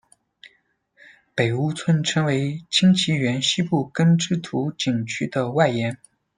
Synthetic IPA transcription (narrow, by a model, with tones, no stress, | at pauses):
pe˨˩ɪu˥t͡sʰwə˥nʈ͡ʂʰɤ˥ŋwe˧˥ɪt͡ɕʰi˥ŋt͡ɕʰi˧˥ɥɛ˧˥nɕi˥pu˥˩kə˥nʈ͡ʂɻ̩˥t̪ʰu˧˥t͡ɕi˨˩ŋt͡ɕʰy˥d̪ə˨wa˥˩ɪjɛ˧˥n